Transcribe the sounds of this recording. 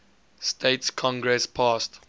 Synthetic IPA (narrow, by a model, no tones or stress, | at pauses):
stʰeɪtskʰɔ̃ŋɡɹɛspʰaːst